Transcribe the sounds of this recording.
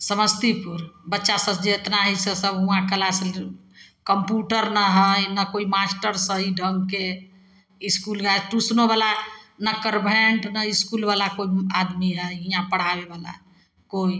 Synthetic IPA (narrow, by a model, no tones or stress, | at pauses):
səməst̪ipuɾbətːʃasəd͡ʒet̪naɦisəsəbɦũãkəlas | kəmpjuʈəɾnəɦəjnakoimasʈəɾsəɦiɖʱəŋɡke | iskulɡaʈusnoβalanəkəɾbʱeɳʈnəiskulbalakoiad̪miɦəjɦijãpəɽ̤abebala̰ | koi